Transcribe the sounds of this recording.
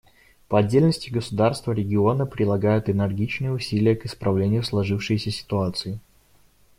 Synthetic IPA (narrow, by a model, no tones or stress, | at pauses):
pəɐdʲːelʲnəsʲtʲɪɡəsʊd̪arst̪vəɾʲɪɡʲɪo̞nəpɾʲɪlˠɐɡajʊt̪ɪnʲɪrɡʲit͡ɕnɨjəʊsʲilʲɪjəkɪspɾɐvlʲenʲɪjʊslˠɐʐɨfʂɨjsʲəsʲɪ̥t̪ʊat̪sɨɪ